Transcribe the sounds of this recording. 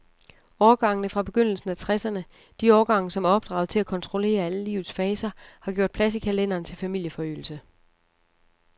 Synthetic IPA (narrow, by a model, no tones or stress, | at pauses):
ɒːɡ̥ɑ̈ŋ̰ənəfʁɑ̈b̥e̝ɡ̥øn̰l̩sn̩æt͡sʰʁɛsɐnə | d̥iɒːɡ̥ɑ̈ŋ̰əsɒ̽mæɐɒ̽b̥̚d̥ʁɑ̰̈ʊð̩ˠt͡sʰe̝lækʰɒ̽nt͡sʰʁo̝le̝̰ːɐæləlḭːʊð̩ˠsfɛːsɐhɑ̈ɡ̥jo̝ɐ̰d̥̚pʰlæs̬ikʰælen̰ɐːnt͡sʰe̝lfæmil̰jəfɒ̽y̰ːl̩sə